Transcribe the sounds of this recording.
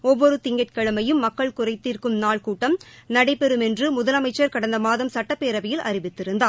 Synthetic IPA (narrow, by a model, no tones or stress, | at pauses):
ɔʋːɔɾɯt̪ɪŋɡɐʈkɐɭɯmɐjɯmːɐkːɐɭkʊrɐɪt̪ːiːɾkɯmnaːɭkuːʈːɐmnɐɽɐɪpːɛɾɯmɛndrɯmʊðɐlɐmɐɪt͡ʃːɐɾkɐɽɐnd̪ɐmaːðɐmsɐʈːɐpːeːɾɐʋɐjɪlʔɐ̰rɪʋɪt̪ːɪɾɯnd̪aː